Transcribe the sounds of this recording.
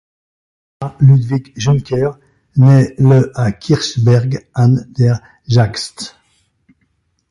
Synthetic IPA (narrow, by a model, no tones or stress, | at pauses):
aʁlyd̪vikʒyŋkʲɛʁ | nɛləakʲʰiʁʃbɛʁɡand̪ɛʁ | ʒakst̪